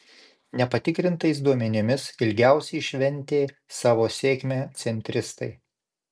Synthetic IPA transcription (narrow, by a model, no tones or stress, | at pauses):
nʲɛpɐt̪ʲɪkɾʲɪnt̪ɐɪs̬d̪uɔmʲɛnʲɪmʲɪsɪlʲɡʲæˑʊsʲɛɪʃʲʋʲɛnʲˑt̪ʲeː | sɑːʋoːsʲeːkʲmʲæːt̪sʲɛnʲt̪ʲɾʲɪst̪ɐɪ